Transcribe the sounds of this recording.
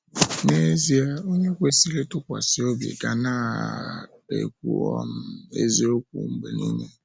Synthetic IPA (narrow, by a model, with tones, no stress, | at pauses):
ne˦zi˦a˦o˦ɲe˦kʷe˦si˦lɪ˦tʊ˦kʷa̰˨sɪ˦o˦bḛ˨ɡa˨na˦ | ḛ˨kʷu˨ɔ̰˦m̩˦ḛ˦ze˦o˦k̚ʷṵ˨m̩˦bḛ˨nḭ˦ɲe˦